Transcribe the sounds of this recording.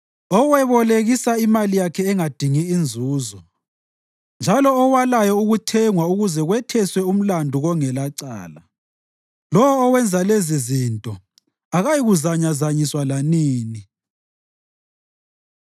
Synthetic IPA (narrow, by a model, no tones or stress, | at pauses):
ɔwɛβɔleɣisaimalijakʰɛːŋad̥ʱiŋiːnd͡zʱuːzɔ | nd͡ʒʱalɔːwalajɔuɣutʰɛŋwauɣuzɛɣwɛtʰɛswɛum̩landʱuɣɔŋɛlaǀa̰ːla | lɔwɔːwɛnd͡zʱalezizintʼɔ | aɣajiɣuzaɲazaɲiswalaniːni